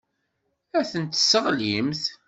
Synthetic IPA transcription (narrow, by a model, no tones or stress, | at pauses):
æθənt̪ːsəʁlimθ